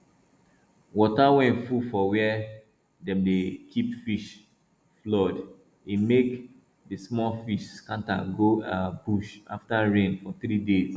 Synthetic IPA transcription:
wɔtawɛ̃ntfufɔwɛɛ | dɛ̃mdekʰipfiʃ | flɔd | imek | dismɔlfiʃkãnta̰ɡoabuʃa̰ftaɹẽnfɔθɾidez

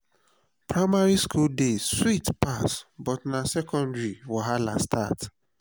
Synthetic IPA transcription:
pɹaɪmaɹiskʰuldeswitpasbɔtnasɛkɔ̃ndɹiwaɦala̰stʰat

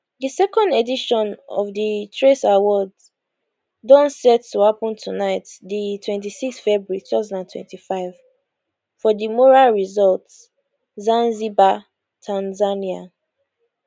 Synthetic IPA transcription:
disɛkɔ̃ndediʃɔ̃nɔ̰vditʰɹesawɔd | dɔ̃nsɛtːuhapɔ̃ntʰunaɪtditʰwɛ̃ntisikstfɛbɹuɹitʰu̥taʊzãndãntʰwɛ̰̃ntifaɪv | fɔdimɔɹalɹizɔlts | zãnziba | tʰãnzania

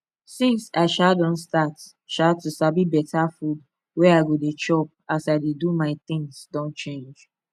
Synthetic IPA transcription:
sĩnsaɪʃadɔ̃nstat | ʃatusabibɛtʰafud̚ | wɛaɪɡodet͡ʃɔp̚asaɪdedumaɪt̪ɪ̃ŋsdɔ̃nt͡ʃẽnd͡ʒ

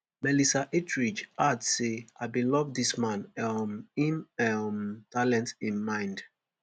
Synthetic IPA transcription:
mɛlisaʔetʰɹid͡ʒadseaɪbĩlɔvdismãn | ĩnɛmtalɛ̃ntĩnmãɪ̃nd

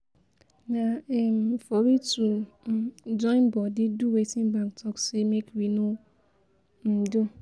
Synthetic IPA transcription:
naɛm̩fɔɾitu | d͡ʒɔ̃ɪ̃nbɔdɪduwetĩnbaŋktʰɔksemekwino | n̩du

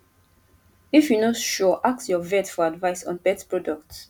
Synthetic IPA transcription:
ifjunɔtʃuʔak̚sjɔvɛtfɔadvaɪsɔ̃npɛtpɹɔdɔkt

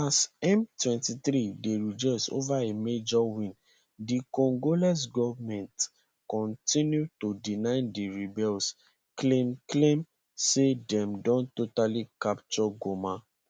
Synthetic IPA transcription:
asɛ̃mtwɛ̃ntiθɾideɹid͡ʒɔɪso̰vaemed͡ʒɔwĩn | dikɔ̃ŋɡolɛs̬ɡɔvmɛ̃nt | kɔ̃ntʰĩnjutodinãɪ̃ndiɹibɛls | klemklẽm | sedɛ̃mdɔ̃ntotalikapt͡ʃɔɡomã

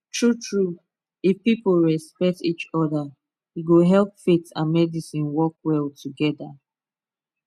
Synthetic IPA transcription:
tʰɹutʰɹup | ifpipolɹɛspɛk̚tit͡ʃɔda | iɡoɦɛlpfitã̰nmɛdisĩnwɔkwɛltʰuɡɛda

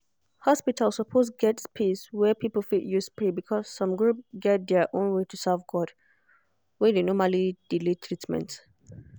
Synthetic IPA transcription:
hɔspitʰalsəpʰosɡɛtspʰiswɛpʰipəl̩ˠfitjuspɹibikʰɔsːɔ̃mɡɹupɡɛt̚dɛʔõnwetʰusavɡɔd | wɛðenɔmalid̥ilitʰɹitmɛ̰̃nt

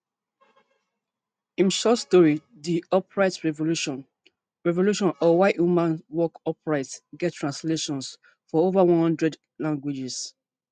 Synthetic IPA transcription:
ĩmʃɔstɔɹi | diɔpɹaɪtɹɛvoluʃ | ɹɛvoluʃɔ̃nɔwaɪʔumãnwɔkɔpɹaɪtsɡɛttʰːɹãnsleʃɔ̃ns | fɔovawɔ̃nhɔ̃ndɹɛd | lãŋɡwid͡ʒis

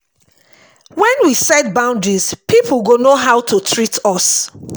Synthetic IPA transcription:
wɛ̃nwisɛt̚bãʊ̃ndɹiz̥piplɡonoɦaʊtʰutʰɹitʰɔs

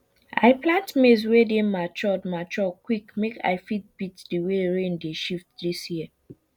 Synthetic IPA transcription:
a̰ɪplãntmes̬wedẽmat͡ʃɔdmat͡ʃɔkwikmeka̰ɪfit̚b̥itd̥iweɹẽndeʃift̚disji

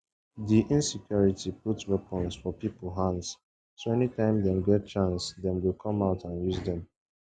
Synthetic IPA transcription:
diʔĩnsikʰjɔɹitʰiputswɛpə̃nsfɔpipl̩ˠɦãns | soɛnitãɪ̃mdɛ̃mɡɛt̚t͡ʃãnsdɛ̃mwilkʰɔ̃maʊtʰãnjuzdɛ̃m

